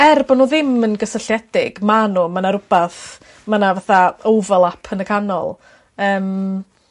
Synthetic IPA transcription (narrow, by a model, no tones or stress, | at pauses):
ɛrbɔnuːðɪmənɡəsəɬjɛd̥ɪɡ̥manuːmanaɾʊb̥ɛθ | manavaθaowvɛlˠapʰənəkʰanɔ̰lˠ | əːm